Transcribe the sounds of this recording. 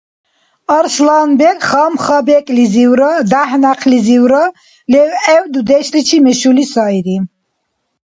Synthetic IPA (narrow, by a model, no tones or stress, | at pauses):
ɑɾslanbɛkʼχɑmχɑbɛkʼliziwɾɔd̪ahnaqʰliziwɾɔ | lɛwɛwd̪ud̪ɛʃɾit͡ʃʰimɛʃulisɑiɾi